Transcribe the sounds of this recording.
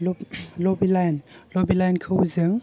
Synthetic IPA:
lɔbilajnlɔbilajnkʰəwzɯŋ

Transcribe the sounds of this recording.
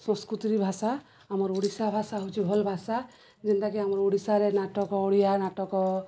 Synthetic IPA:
sɔ̃skɾut̪iɾibʱasa | amɔɾoɽisabʱasaɦowt͡ʃʰibʱɔlbʱasa | d͡ʒɛnt̪akiamɔɾoɽisaɾenaʈɔkɔoɽijanaʈɔkɔ

